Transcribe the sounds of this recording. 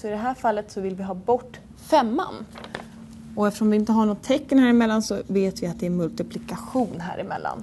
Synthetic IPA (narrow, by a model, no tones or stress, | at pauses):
sɔɪd̪ɛɦæːɾfalːət̪sɔvɪlvɪɦɑːbɔʈː | fɛmːa̰n | ɔɛft̪ə̥ʂɔmvɪɪnt̪əɦaɳɔt̪ʰːɛkːənhæːɾɪmɛlːansɔveːt̪vɪat̪d̪ɛɛmɵlt̪ɪpʰlɪkaɧuːnɦæ̰ːɾʔɪmɛ̰lːa̰n